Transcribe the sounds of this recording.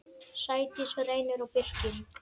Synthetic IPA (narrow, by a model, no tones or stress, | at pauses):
saːjt̪ɪsɛɾejnɪɾawpɪr̥cɪn